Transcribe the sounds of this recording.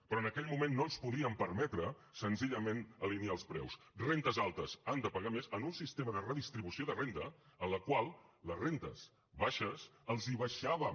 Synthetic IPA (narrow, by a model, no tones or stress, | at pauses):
pɾɔənəkɛʎmumenːoəlˠspuðiəmpəɾmɛt̪ɾə | sənziʎəmenəliniaəlˠspɾɛ̰wsrent̪əzalˠt̪əzand̪əpəɣamezənunsist̪eməðərəðist̪ɾiβusioðərent̪ə̰ənləkwalˠləzrent̪ə̰s | βaʃəzəlˠziβəʃaβə